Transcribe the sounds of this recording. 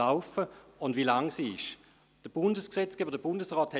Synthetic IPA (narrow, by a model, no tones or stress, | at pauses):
aʊfəʊndʋilaŋsiɪʃ | d̥əb̥ʊndəsksɛt͡sɡ̥ɛːbədəb̥ʊndəsʁɔːthɛ